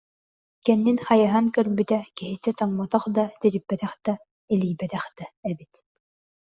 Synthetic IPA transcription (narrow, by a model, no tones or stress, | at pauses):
kɛnːinχajaɦankœɾbyt̪ɛkiɦit̪ɛt̪ɔŋmɔt̪ɔχd̪at̪iɾipːɛt̪ɛχd̪̥a | iliːjbɛt̪ɛχd̪̥aɛbit̪